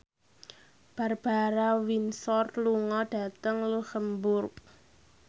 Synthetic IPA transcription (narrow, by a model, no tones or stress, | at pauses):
b̥a̤rb̥aɾawinsɔrluŋɔɖ̥a̤t̪əŋlusəmbʊrk̚